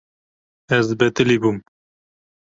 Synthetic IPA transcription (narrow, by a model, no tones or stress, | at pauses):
ɛzbɛt̪ɨlibum